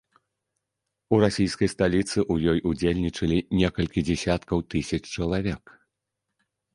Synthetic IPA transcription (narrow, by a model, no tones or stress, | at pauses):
uɾasʲijskɐjst̪alʲit̪sɨʔujɔjʔud͡zʲelʲnʲit͡ʂɐlʲinʲɛkɐlʲkʲid͡zʲɛsʲat̪kɐwt̪ɨsʲɐt͡ʂt͡ʂɐlˠavʲɛk